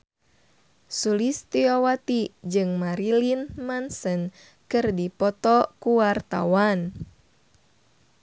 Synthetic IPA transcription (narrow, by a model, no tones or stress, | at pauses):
sulist̪iowat̪id͡ʒɨŋmaɾilinmansən | kɨrdipɔt̪ɔkuwart̪a̰wan